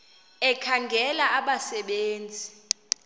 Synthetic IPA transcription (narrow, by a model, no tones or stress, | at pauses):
ɛkʰaŋɡʱɛlaʔːɓasɛɓeːnd͡zʱi